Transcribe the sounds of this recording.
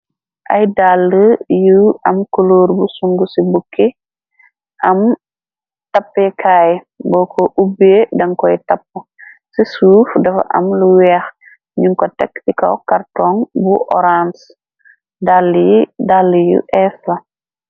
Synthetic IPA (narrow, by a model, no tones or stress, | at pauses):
ʔɐ̰jdalːəjuɐmkoloːɾbusuŋɡusibukːi | ʔɐm | tɐpːɛkʰaːj | bɔːkʰɔʔubeːdɐŋkɔjtɐpːu | sisuːfdɐfɐ̰ʔɐ̰mluwɛːx | ɲuŋkɔtɛ̰kːsikɐ̰wkartɔŋbuʔɔ̰ɾans | dalidalːəjṵʔɛfɐ